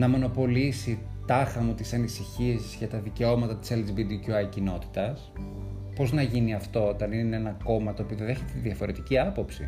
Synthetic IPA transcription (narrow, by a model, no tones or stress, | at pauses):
nɐmo̞no̞po̞lisi | t̪ɐxɐmut̪isɐnisiçiɐsizʝɐt̪ɐðice̞o̞mɐt̪ɐt̪i̥selzibid̪icuɐjcino̞t̪i̥t̪ɐs | po̞znɐʝiniɐft̪o̞ot̪ɐnineenɐko̞mɐt̪oːpioðeðe̞çet̪et̪iðiɐfo̞ɾe̞t̪iciɐpo̞psḭ